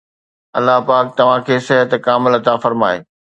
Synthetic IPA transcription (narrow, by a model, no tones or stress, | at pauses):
ɐlːaɦpaːk̚t̪ɐʋ̤ãkʰeːsɪɦət̪kaːmɪlɐt̪afɐɾmaːeː